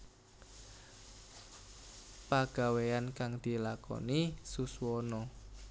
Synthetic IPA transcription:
paɡ̥a̤weankaŋd̪̥i̤lakɔ̰nisuswɔnɔ

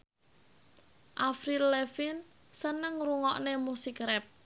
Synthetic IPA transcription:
ʔafɾilefin | sənəŋruŋɔʔnemusikɾɛp̚

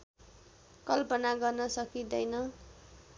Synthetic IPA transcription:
kʌlpʌnaɡʌrnʌsʌkid̪ʌjnʌ

